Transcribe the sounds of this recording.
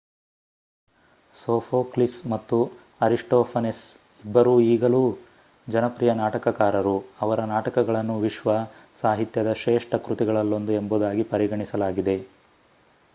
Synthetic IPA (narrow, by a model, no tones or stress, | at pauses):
soːpʰoːklismɐt̪ːu | ɐɾiʂʈoːpʰɐnes | ibːɐɾuːiːɡɐluː | d͡ʒɐnɐpɾijɐnaːʈɐkɐkaːɾɐɾuɐʋɐɾɐnaːʈɐkɐɡɐɭɐnːuʋiʃʋɐsaːɦit̪jɐd̪ɐʃɛːʂʈɐkɾut̪iɡɐɭɐlːo̞nd̪uemboːd̪aːɡipɐɾiɡɐɳisɐlaːɡid̪e̞